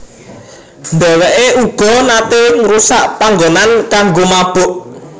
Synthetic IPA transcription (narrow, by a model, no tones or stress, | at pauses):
nd̪ɛwɛʔeuɡ̥ɔ̤nat̪eŋɾusaʔpaŋɡonankaŋɡomab̥ʊ̤ʔ